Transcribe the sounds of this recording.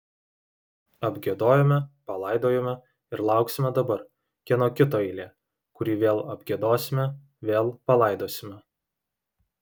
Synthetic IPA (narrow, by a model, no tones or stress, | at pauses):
ɐbʲɡʲeɛd̪oːjɛmʲɛpɐlˠɐˑɪd̪oːjɛːmʲɛ | ɪɾlˠɑˑʊksʲɪmʲɛd̪ɐbɐɾ | kʲinoːkʲɪt̪oːɛɪlʲeː | kʊɾʲiːʋʲeːlˠɐbʲɡʲed̪oːsʲɪmʲɛ | ʋʲeːlˠpɐlˠɐˑɪd̪oːsʲɪmʲɛ